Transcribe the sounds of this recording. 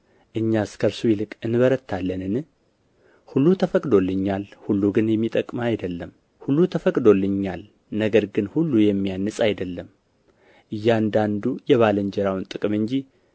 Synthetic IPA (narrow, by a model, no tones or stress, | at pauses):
ʔɨɲːaskʰəɾsujɪlɨkʼɨnːɨβəɾət̪ʰːalːənɨnɨ | hulːut̪ʰəfəkʼd̪o̞lːɨɲːalhulːuɡɨnjɛmːit̪ʼəkʼmajd̪əlːəm | hulːut̪ʰəfəkʼd̪o̞lːɨɲːal | nəɡəɾɡɨnhulːujɛmːijanːɨsʼajd̪əlːəm | ʔɨjːand̪and̪ujɛβaləɲd͡ʒɛɾawnt̪ʼɨkʼɨmɨɲd͡ʒi